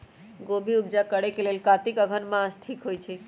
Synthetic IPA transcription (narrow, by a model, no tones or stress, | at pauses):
ɡobʱiub̚d͡ʒakəɽekelelkat̪ikəɡʱənmãsʈʰikɦojt͡ʃʰɛ